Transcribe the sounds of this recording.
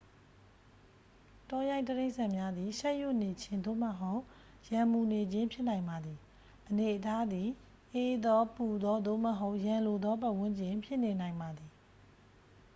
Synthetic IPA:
tɔ˦jã˦ɪ̃təɾẽ˦ɪʔsã˦˨mja˦d̪i˨ʃɛ˦ʔju˦˨ne˨t͡ɕʰɪ̃˦nd̪o̰˦˨mə˨ɦo˦ʊʔ | jã˨mu˨ne˨d͡ʑɪ̃˦mpʰjɪ˦ʔnã˨ɪ̃mba˨d̪ði˨ | ʔəne˨ʔətʰa˦d̪i˨ | ʔe˨d̪ɔ˦pu˨d̪ɔ˦d̪o̰˦˨məɦo˦ʊʔjã˨lo˨d̪ɔ˦pa˦˨ʔwɪ̃˦ɲd͡ʑɪ̃˨pʰjɪ˦ʔne˨nã˨ɪ̃mba˨d̪ði˨

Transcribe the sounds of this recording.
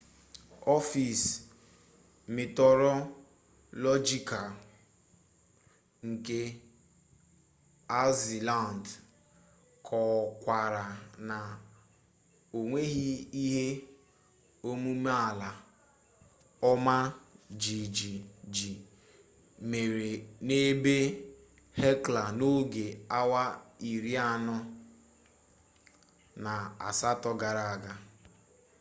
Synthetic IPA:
ɔ˦fi˨s | me˨tɔ˨ɾɔ˦ | lɔ˦d͡ʒi˦ka˨ | ŋ̩˨ke˦ | a˦zi˨la˦˨nd | kʰɔ˨kʷa˨ɾa˨na˨ | o˨ŋʷe˦ɦi˦i˦ɦe˦ | o˦mu˦me˦a˨la˨ | ɔ˦ma˦d͡ʒi˨d͡ʒi˨d͡ʒi˨ | me˨ɾe˨ne˦be˦ | he˦kla˨no˦ɡe˨a˦wa˦i˨ɾi˦a˦nʊ˦ | na˨a̰˨sa˦tɔ˦ɡa˨ɾa˨a˨ɡa˦

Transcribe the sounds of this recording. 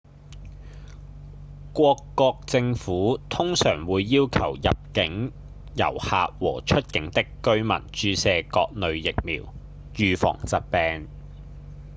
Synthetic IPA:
kʷɔː˧kːɔː˧k̚t͡sɪ˧ŋfuː˨˥t̪ʰʊ˥ŋsœː˨˩ŋwuː˨˧jːiː˥wkʰɐ̰˨˩wjɐ˨p̚kɪ˨˥ŋ | jɐ̰˨˩whaː˨˧k̚wɔː˨˩t͡ʃʰɵ˥t̚kɪ˨˥ŋt̪ɪ˥kːɵ˥ɥmɐ̰˨˩nt͡ʃyː˧sɛː˧kɔː˧k̚nɵ˨˧ɥjɪ˨k̚mḭː˨˩w | jyː˧fɔ̰ː˨˩ŋt͡sɐ˨t̚pɛː˧n

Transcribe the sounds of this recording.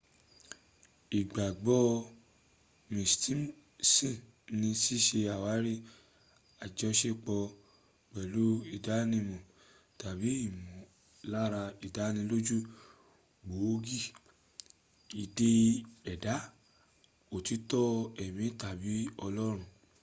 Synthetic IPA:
i˨ɡ͡ba˨ɡ͡bɔ˧˦ | mĩ˨sti˦ | sĩ˦˨ | nĩ˧si˦ʃe˧a˨wa˨˦ɾi˦ | a˨d͡ʒɔ˧ʃe˦k͡pɔ˧ | k͡pɛ˨lu˨˦i˦˨da˨˦nĩ˧mɔ̃˨ | ta˨bi˨˦i˦˨mɔ̃˨ | la˦ɾa˧i˨da˨˦nĩ˧lo˦d͡ʒu˦ | ɡ͡bo˨˦ɡi˦˨ | i˧˨de˧ɛ˨da˨˦ | o˨ti˨˦tɔ˦ɛ˨mĩ˨˦ta˨bi˨˦ɔ˧lɔ˦ɾ̃ũ˧˦

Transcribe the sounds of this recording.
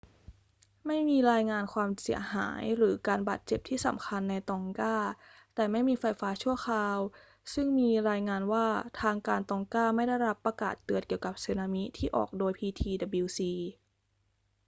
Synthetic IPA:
ma˥˩jmiː˧ɾaː˧jŋaː˧nkʰwaː˧msi˩˦ɐha̰ː˩˦jɾɯː˩˦kaː˧nbaː˨˩t̪̚t͡ɕe˨˩p̚t̪ʰiː˥˩sa̰˩˦mkʰa˧nːa˧jt̪ɔː˧ŋkaː˥˩t̪ɛː˨˩ma˥˩jmiː˧fa˧jfaː˦˥t͡ɕʰu˥˩ɐəxʰaː˧w | sɯ˥˩ŋmiː˧ɾaː˧jŋaː˧nwaː˥˩t̪ʰaː˧ŋkaː˧nt̪ɔː˧ŋkaː˥˩ma˥˩jda˥˩jɾa˦˥pːɾa˧ka̰ː˨˩t̪ːɯ˨˩ət̪̚ki˩əwka˨˩p̚se˧naː˧mi˦˥t̪ʰiː˥˩ʔɔ̰ː˨˩k̚doː˧jpʰiː˧t̪ʰiː˧da˨˧bi˧wsiː˧

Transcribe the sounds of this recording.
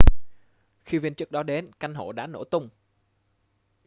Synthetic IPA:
xi˧vi˧nt͡ɕɨ˦˥ək̚ɗɔ˨˦ɗe˨˦nka˧jŋɦo̰˧˨ɗa̰ː˧˥no̰˧˩t̪ʊ˧wŋ͡m

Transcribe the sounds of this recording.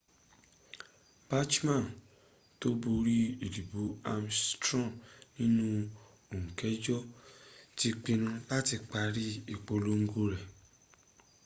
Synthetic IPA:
b̥a˦t͡ʃmã˦˨n | to˦bu˧ɾi˦i˨li˨bo˨˦a˧mstɾɔ̃˦˨nĩ˦nũ˦ | o˨ŋũ˨kɛ˨˦d͡ʒɔ˦ti˦k͡pĩ˧nũ˧la˦ti˧k͡pa˧ɾi˦i˨k͡po˧lo˦ŋ̩˦ɡu˦ɾɛ˨

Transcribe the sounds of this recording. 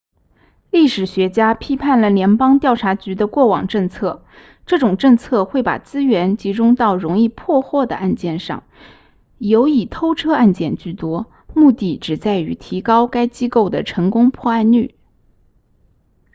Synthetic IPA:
li˥˩ʂɻ̩˨˩ɕɥɛ˧˥t͡ɕja˥pʰi˥pʰa˥˩nlə˩ljɛ˧˥npɑ˥ŋt̪jɑ˥˩ʊʈ͡ʂʰa˧˥t͡ɕy˧˥d̪ə˧kwɔ˥˩wɑ̰˨˩ŋʈ͡ʂɤ˥˧ŋt͡sʰɤ˥˩ | ʈ͡ʂɤ˥˩ʈ͡ʂʊ˨˩ŋʈ͡ʂɤ˥˧ŋt͡sʰɤ˥˧xwe˥˩ɪpa̰˨˩t͡sɹ̩˥ɥɛ˧˥nt͡ɕi˧˥ʈ͡ʂʊ˥ŋt̪ɑ˥˩ʊɻʊ˧˥ŋi˥˧pʰwɔ˥˧xwɔ˥˩d̪ə̰˩ʔa˥˧nt͡ɕjɛ˥˧nʂɑ̰˥˩ŋ | jo˧˥ʊi˨˩t̪ʰo˥ʊʈ͡ʂʰɤ˥a˥˧nt͡ɕjɛ˥˧nt͡ɕy˥˩t̪wɔ˥ | mu˥˧t̪i˥˩ʈ͡ʂɻ̩˨˩t͡sa˥˩ɪy˧˥t̪ʰi˧˥kɑ˥ʊka˥ɪt͡ɕi˥ko˥˩ʊd̪ə˩ʈ͡ʂʰɤ˧˥ŋkʊ˥ŋpʰwɔ˥˧a˥˧nly̰˥˩

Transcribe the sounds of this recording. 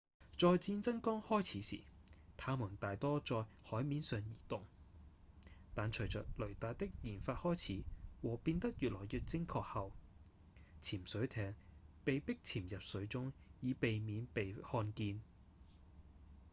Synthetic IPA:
t͡sɔː˨˧jt͡siː˧nt͡sɐ˥ŋkɔː˥ŋhɔː˥jt͡sʰiː˨˥sḭ˨˩t̪ʰaː˨˥muː˨˩nt̪aː˨jt̪ɔː˥t͡sɔː˧jhɔː˨˥jmiː˨˥nsœː˨˧ŋjiː˨˩t̪ʊ˨˩ŋ | t̪aː˨nt͡ʃʰɵ˨˩t͡sœː˨k̚lɵ˨˩ɥt̪aː˨t̚t̪ɪ˥k̚jiː˨˩nfaː˧t̚hɔː˥jt͡sʰiː˨˥wɔː˨˩piː˧nt̪ɐ˥k̚jyː˨t̚lɔː˨˩jjyː˨t̚t͡sɪ˥ŋkʰɔː˧k̚hɐ˨w | t͡sʰiː˨˩msɵ˨˥ɥt̪ʰɛː˧ŋpe˨jpɪ˥k̚t͡sʰiː˨˩mjɐ˨p̚sɵ˨˥ɥt͡sʊ˥ŋjiː˨˧pe˨jmiː˨˥npe˨jhɔː˧nkiː˧n

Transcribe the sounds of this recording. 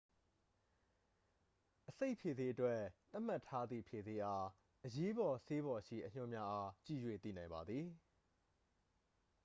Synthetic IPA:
ʔəse˦ɪʔpʰje˨ze˦ʔətwɛ˦t̪a˦ʔm̥a˦˨tʰːa˦d̪ðḭ˦˨pʰje˨ze˦ʔa˦ | ʔəje˦bɔ˨se˦βɔ˨ʃḭ˦˨ʔəɲ̥ʊ̃˦˨mja˦ʔa˦t͡ɕḭ˦˨jwḛ˦˨t̪ḭ˦˨nã˨ɪ̃mba˨d̪ði˨

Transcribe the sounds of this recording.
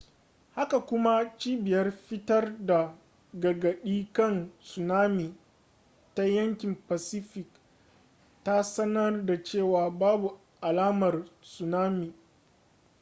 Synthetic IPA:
ha˦ka˨kʷʊ˦ma˦t͡ʃiː˦bɪ˨jɐ˦rɸɪ˦tɐ˦rda˨ | ɡɐ˨ɡɐ˨ɗiː˦kɐ˦˨nsʊ˨naː˦mi˨ | ta˦jɐ˦ŋkʲɪ˨mpa˨sɪ˦ɸɪ˨k | ta˦sɐ˦nɐ˦rda˨t͡ʃeː˦˨waː˨baː˦bu˨ | ʔa˨laː˦mɐ˨rsʊ˨naː˦mi˨

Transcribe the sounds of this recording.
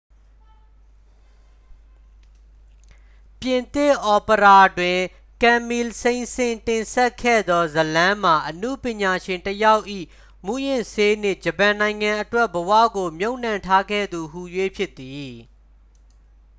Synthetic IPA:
pjɪ̃˨nt̪ɪ˦˨ʔɔ˨pə˨ɾa˦˨dwɪ̃˨ | kã˨mi˨lsẽ˨ɪ̃nsɪ̃˨ntɪ̃˨nsɛ˦ʔkʰːɛ̰˦˨d̪ɔ˦zəlã˦m̥a˨ʔənṵ˦˨pjɪ̃˨ɲa˨ʃɪ̃˨ntəja˦ʊʔḭ˦˨ | mu˦jɪ̃˨se˦nɪ̰˦˨d͡ʑəpã˨nã˨ɪ̃ŋã˨ʔətwɛ˦ʔbəwä̰˦˨ɡo˨mjo˦ʊ̃n̥ã˨ntʰa˦ɡɛ̰˦˨d̪u˨hu˨jwe˦pʰjɪ˦t̪ːi˨

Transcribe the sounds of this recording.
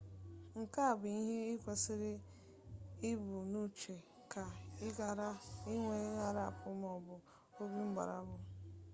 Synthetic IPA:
ŋ̩˨ka˦a˨bʊ˨i˦ɦe˦ɪ˦kʷe˨sɪ˦ɾɪ˦ | ɪ˦bu˨nu˦t͡ʃe˨ | ka˨ɪ˦a˨ɾa˦ɪ˦ŋʷe˨˦ŋa˨ɾa˦a̰˨pʊ˦m˦ɔ˨bʊ˨ | o˦ɡi˦ŋ͡m̩˦ɡ͡ba̰˨ɾa̰˨˦bʊ˨

